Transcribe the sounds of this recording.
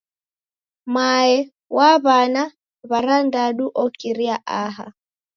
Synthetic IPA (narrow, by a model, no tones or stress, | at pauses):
maɛ | waβana | βaɾandaɗuʔɔkiɾiaʔaɦa̰